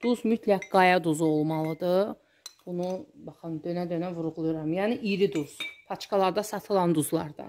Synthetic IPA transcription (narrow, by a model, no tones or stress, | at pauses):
d̪̥uzmyt̪ʰlækɡɑjɑd̪uzuo̞lˠmɑlˠɯd̪ɯ | b̥unubɑχɯnd̪ønæd̪ønævuɾuʁulˠujuɾɑmjæːniʔiɾid̪uz̥pʰɑt͡ʃkɑlˠɑɾd̪ɑsɑt̪ʰɯlˠɑnd̪uzlˠɑɾd̪ɑ̰